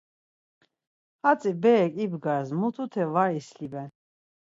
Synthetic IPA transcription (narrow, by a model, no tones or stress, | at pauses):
at͡sʼibɛːkʼibɡaɾzmut̪ʰut̪ʰɛvaislibɛn